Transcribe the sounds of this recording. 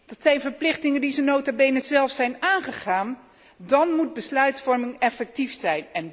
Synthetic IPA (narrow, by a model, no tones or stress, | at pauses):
d̥ɑtsɛjnvəɹplɪχtɪŋəndizənowtabejnəzɛlˠfsɛjnaːnχəχaːn | dɑnmud̚bəslœɥtfɔɹmɪŋɛfɛk̚tifsɛjnɛn